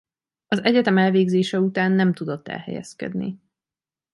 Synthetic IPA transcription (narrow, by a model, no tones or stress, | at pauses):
ɒzɛɟɛt̪ɛmɛlveːɡzeːʃɛut̪aːnːɛmt̪ud̪o̞t̪ːɛ̰lhɛ̰jɛ̰skɛ̰d̪nḭ